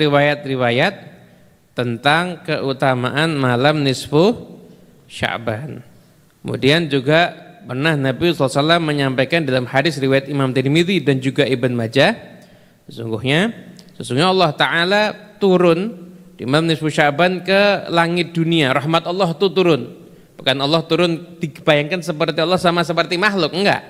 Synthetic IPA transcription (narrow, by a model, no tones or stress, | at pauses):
riwajat̪̚riwajat̪̚ː | ənt̪aŋkəʔut̪ama̰ʔanmalamnɪsfʊh | ʃa̰ʔban | kkəmṵdiand͡ʒuɡapərnahnabisɔlːsalamːəɲampajkandalamhadɪsriwajat̪̚imamt̪ermiðidand͡ʒuɡaibənmad͡ʒa | səsuŋɡuhɲasəsuŋɡɲaɑlːɑht̪aʕalat̪uɾʊndimamnɪsfuʃaʔbankəlaŋɪt̪̚duniaɾɑhmat̪̚ɔlːɔht̪ut̪uɾʊn | b̥ukanɔlːɑht̪uɾʊnd̥iɡəbajaŋkansəpərt̪iɔlːɑhsamasəp̬ərt̪imahlʊk̚əŋɡa̰ʔ